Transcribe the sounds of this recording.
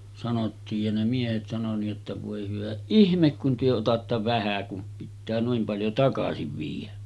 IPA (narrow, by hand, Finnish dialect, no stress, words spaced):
sɑnotːiːj jɑ ne miehet sɑno niʔ ʔotːɑ ʋoˑe hyʋæ ihmek kun tyø otɑtːɑ ʋæhæ kum pitːæː nuim pɑljo tɑkɑsiʋ ʋiːjˑæ